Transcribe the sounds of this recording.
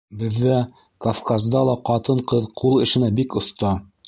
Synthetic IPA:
bɘ̆ðːæ | kɐfkazd̪ɑlˠɑqɑt̪ɤɴqɤðqʰulˠɘ̆ʃɘ̆næbikŏθt̪ɑ

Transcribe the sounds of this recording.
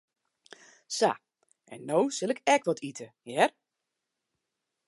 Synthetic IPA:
sa̰ | ɛ̰nːowsɪlˠɪkɛkʋɔtʰitʰəjɛr

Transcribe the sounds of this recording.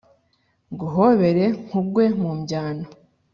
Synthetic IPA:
ɡuɦo̞βe̞ɾe̞ŋ̥huɡwe̞mumɟaːno

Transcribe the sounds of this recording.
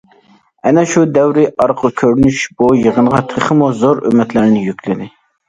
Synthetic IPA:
ɛnɛʃud̪ɛwɾɪʔɑɾqʰʊkʲʰøɾnyʃbujəʁənʁɑt̪ʰəχəmuzoɾø̰mɛt̪læɾnɪjykʲlɪd̪ɪ

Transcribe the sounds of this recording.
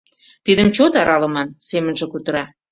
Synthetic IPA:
t̪id̪ə̆mt͡ɕot̪ɑɾʔɑlə̆mɑnsemənʒĕkut̪ə̆ɾɑ

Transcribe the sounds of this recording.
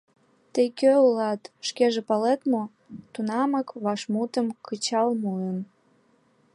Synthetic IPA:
t̪əjkøulɑt̪ʃkeʒepɑlet̪mo | t̪unɑməkβɑʃmut̪əmkʰət͡ɕɑlmuən

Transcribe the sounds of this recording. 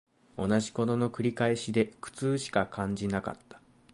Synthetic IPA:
o̞naʑi̥ko̞no̞no̞kɯ̟ɾʲikaeɕid̪e̞kɯ̟̥t͡sɨːɕi̥kakʰãɲ̟d͡ʑinaka̰t̪ːḁ

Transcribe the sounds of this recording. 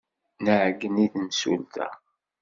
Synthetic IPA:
nəʕɡːəniðmsṵlt̪æ̰

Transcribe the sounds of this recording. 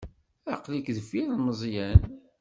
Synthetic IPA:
æqlikðəfiɾməzˤjæn

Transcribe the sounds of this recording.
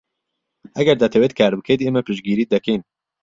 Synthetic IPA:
ʔæɡɛɾd̪at̪ʰɛwet̪kʰaːɾbɨkʰed̪iemɛpɨʃɡiːɾiːd̪ɛkeːn

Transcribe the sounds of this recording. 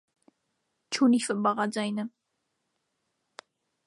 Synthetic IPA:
t͡ʃʰunifəbɑʁɑd͡zajnə

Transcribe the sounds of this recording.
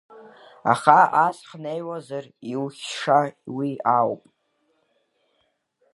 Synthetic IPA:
a̰χaasχnejwazariwχʲʂawiawpʼ

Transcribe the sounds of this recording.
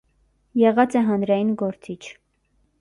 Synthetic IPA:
jɛʁɑt͡sɛɦɑnɾɑjinɡɔɾt͡sit͡ʃʰ

